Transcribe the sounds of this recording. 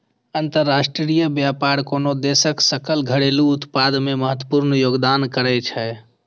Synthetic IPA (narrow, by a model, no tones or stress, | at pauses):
ənt̪əɾːasʈɾɾijəbjapaɾkonod̪esəksəkəlɡʱəɽeluːt̪pad̪meməɦət̪wəpuɾnəjoɡd̪ankəɾɛt͡ʃʰɛ